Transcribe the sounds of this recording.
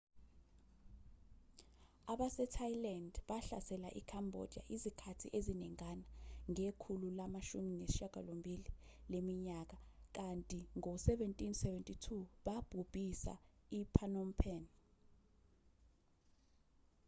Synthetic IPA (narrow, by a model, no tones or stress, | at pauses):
aɓasɛtʰajlandɓaɬa̰sɛla̰ʔḭkʰambʱɔ̰d̥ʱia̰ʔizikʰatʰḭʔeziniŋanaŋekʰululamaʃuminesiʃaɡ̥ʱa̰lombʱililemiɲak̬ak̬antʼiŋɔsɛvɛntʼinsɛvɛntʼitʰuɓab̥ʱub̥ʱisa̰ipʰanɔmpʰɛn